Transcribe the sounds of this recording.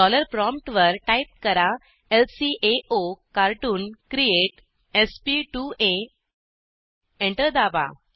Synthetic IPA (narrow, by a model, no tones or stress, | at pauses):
ɔləɾpɾɔmʈʋəɾʈaip̚kəɾa | elsiʔeʔokaɾʈuːnkɾieʈ | espiʈue | ẽɳʈəɾd̪aba̰